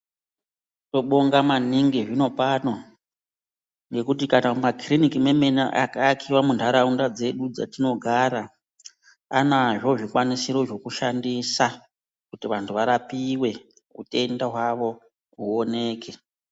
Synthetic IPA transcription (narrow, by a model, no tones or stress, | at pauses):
to̞ɓoŋɡamaniŋɡiʐino̞pano̞ | ŋɡe̞kut̬ikanamakrinikime̞me̞na̰ʔa̰kakʰiwamundaɾaundad͡ze̞ɗud͡za̰tino̞ɡʱaɾa | anaʐo̞ʐikwanisiɾo̞ʐo̞kuʃandisa | kutiʋantʰuʋaɾapiwe̞ | ṵte̞ndaɦwaʋo̞ | uone̞ːke̞